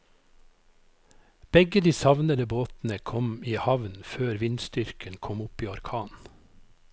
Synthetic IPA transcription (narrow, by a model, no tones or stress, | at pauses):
b̥ɛɡəd̪iːsɑʋnəd̪əboːt̪n̩əkʰɔmiːhɑʋnføːɾʋɪnst̪ʏɾkʰənkʰɔmʊpiːɑɾkʰɑːn